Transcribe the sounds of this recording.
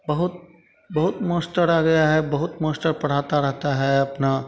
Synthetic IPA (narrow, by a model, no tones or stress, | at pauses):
bɐɦʊt̪̚ | bɐɦʊt̪moːsʈəɾaɡɐjaɦɛbɐɦʊt̪mõːsʈəɾpɐɽ̤aːt̪aɾɐɦt̪aɦɛɐpna